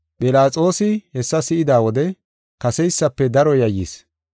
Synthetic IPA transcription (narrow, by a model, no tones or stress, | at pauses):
pʼɪlaːt͡sʼo̞ːsɪhɛsːɐsɪʔɪd̪aːwɔd̪ɛ | kɐsɛjsːɐpːɛd̪ɐɾɔjɐjḭs